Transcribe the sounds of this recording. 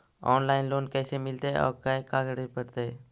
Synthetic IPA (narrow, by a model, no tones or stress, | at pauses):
ɔːnlaːɪnloːnkɛːsemɪlt̪eɔ̰ːɾkaekaːɡəɽipəɾt̪eː